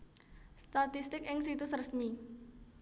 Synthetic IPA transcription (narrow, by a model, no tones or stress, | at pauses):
st̪at̪ist̪ɪkɪŋsit̪usrəsmi